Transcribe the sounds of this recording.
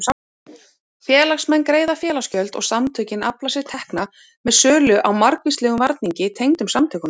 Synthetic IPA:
fjɛːlaxsmɛnːkɾeːjðafjɛːlascœlt̪ɔ̰ɣsamt̪ʰœːcɪnaplasɪð̥t̪ʰɛhkna | mɛðsœːlʏʔawmaɾkvist̪ɛːɣʏmvaɾt̪niɲcɪt̪ʰejŋt̪ʏmsamt̪ʰœːkʏn

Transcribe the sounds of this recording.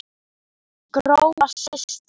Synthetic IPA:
ɡ̥ɾowmasɪst̪

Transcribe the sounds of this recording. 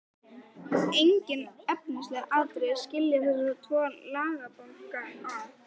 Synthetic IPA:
ejɲcɪnœp̚nɪst̪lɛɾaðt̪ɾej̥scɪljaθɛssat̪ʰvɔːnlaːɣapɔnka

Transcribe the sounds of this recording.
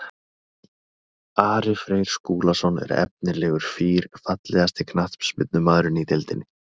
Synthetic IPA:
aːɾɪfɾeːjɾ̥skuːlasɔnɛ̰ɾɛ̰p̚nɪlɛːɣʏɾ̥fiːɾfat̪lɛɣast̪ɪkʰnat̪psmɪt̪nʏmaːðɾʏnit̪ɪlt̪ɪnːɪ

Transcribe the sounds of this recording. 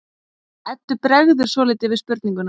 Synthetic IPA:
ɛt̪ːʏpɾɛɣðʏɾ̥svɔːlɪːt̪ɪvɪðspʏɾt̪niŋkʏn

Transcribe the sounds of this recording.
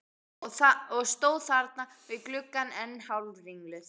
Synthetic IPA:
aɔɣst̪oːwðθaɾt̪̚na | vɪðklʏkːanɛnːhawlvviŋklʏθ

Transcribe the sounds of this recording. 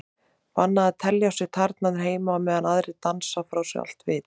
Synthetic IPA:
vanːaðat̪ʰɛljawsɪ̥t̪ʰaɾt̪naðɪɾ̥ɦeːjmamɛːðanaðɾɪt̪ansafɾawsɛ̰a̰l̥t̪vɪð

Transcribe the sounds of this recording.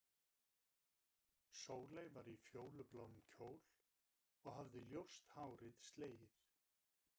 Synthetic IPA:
soːwlejvaɾifjoːwlʏplawnmcʰoːwl̥ | ɔɣɦavðɪljowst̪haːwɾɪðst̪leːjɪɾ̥

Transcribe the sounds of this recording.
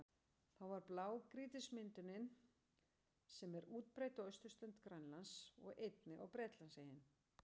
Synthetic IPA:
θawvaɾplaːwkɾiːt̪ɪsmɪnt̪ʏnɪn | sɛmɛɾuːt̪̚pɾaːjt̪ʏœɥst̪ʏ̥st̪ʏnt̪kɾajnlansɔ̰ɣejt̪nɪʔawpɾɛːt̪lansejɪn

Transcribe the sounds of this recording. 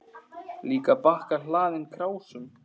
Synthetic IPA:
liːkapahkaɾ̥laːðɪnkʰɾaːwsʏm

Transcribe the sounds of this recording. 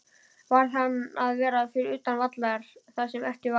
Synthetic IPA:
vaɾ̥θanːaðvɛːɾafɪɾɪʏːt̪anvat̪laɾ̥θasɛmɛft̪ɪv

